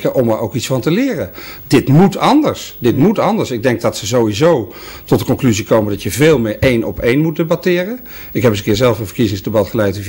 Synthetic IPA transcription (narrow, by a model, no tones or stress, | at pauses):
kəʔɔməɹowkitsfɑntəlɪːrəd̥ɪtmutɑndəɹsdɪtmutɑndəɹsɪɡ̚dɛŋk̚dɑtsəzowizow | tɔtdəkɔnklyzikowmədɑtjəveːlˠmɪɹʔejnʔɔ̰pejnmut̚debɑtɪːrə | ɪkɦɛpəsəkɪːɹzɛlˠfənvəɹkizɪŋzdebɑtχəlɛjtv